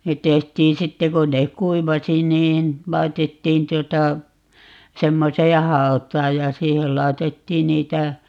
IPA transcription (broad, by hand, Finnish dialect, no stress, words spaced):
net̆ tehtiːn sitːe kon nek kuiʋɑsi niːn lɑi̯tetːiːn tuotɑ semːoseː hɑɔtˑɑːj jɑ siːhel lɑetetːiːn niːtæ